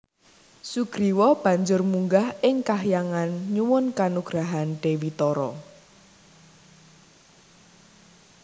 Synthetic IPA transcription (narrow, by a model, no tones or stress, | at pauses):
suɡ̥ɾiwɔb̥a̤ɲd͡ʒʊrmuŋɡahɪŋkaɦjaŋanɲuwʊnkanuɡ̥ɾaɦanɖ̥ewit̪ɔɾɔ̰